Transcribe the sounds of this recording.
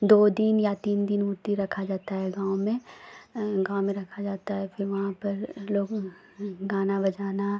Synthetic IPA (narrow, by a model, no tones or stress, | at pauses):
d̪oːd̪injat̪iːnd̪ɪnʊɾt̪iɾɐkʰad͡ʒaːt̪aɦɛɡãːʊmẽ | ɡãːomẽɾɐkʰad͡ʒaːt̪aɦɛfɪɾʋɐɦãpɐɾloːɡ | ɡaːnabɐd͡ʒaːna